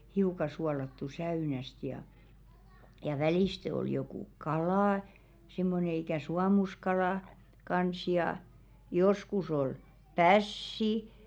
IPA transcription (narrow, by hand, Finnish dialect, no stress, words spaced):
hiukɑ suɑlɑtːu sæynæst jɑ jɑ ʋæliˑste ol jokuˑ kɑlɑ simːone ikæˑ suɑmuskɑlɑˑ kɑns jɑˑ joskus ol pæsːi